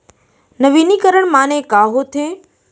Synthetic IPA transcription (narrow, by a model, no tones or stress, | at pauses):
nəʋinikəɾəɳ̃maːnẽkaːɦot̪ʰeː